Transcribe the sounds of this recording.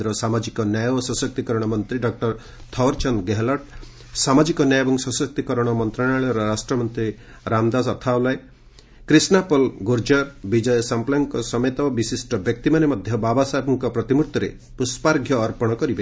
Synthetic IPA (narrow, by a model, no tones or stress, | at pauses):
ɾɔsamad͡ʒikɔnjajɔɔsɔsɔk̚t̪ikɔɾɔɽ̃ɔmɔnt̪ɾiɖɔk̚ʈɔɾ | t̪ʰɔwɾt͡ʃɔnɡeɦlɔʈ | samad͡ʒikɔnjajebɔŋsɔ̃sɔk̚t̪ikɔɾɔɽ̃ɔmɔnt̪ɾaɽ̃aɭɔɾɔɾasʈɾɔmɔnt̪ɾi | ɾamd̪asɔt̪ʰawlae | kɾisnapɔlɡuɾd͡ʒɔɾbid͡ʒɔjɔsamplaŋkɔsɔmet̪ɔbisisʈɔbjɔk̚t̪imanemɔd̪ʱjɔbabasabɔŋkɔpɾɔt̪imuɾt̪ːɔɾḛ | puspaɾɡʱjɔːɾpɔɽ̃ɔkɔɾibe